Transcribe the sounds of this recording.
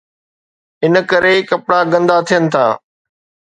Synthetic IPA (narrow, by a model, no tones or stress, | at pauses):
ɪnəkɐɾekɐpɽaɡɐ̃nd̪at̪ʰijənɪ̆t̪ʰã̰ː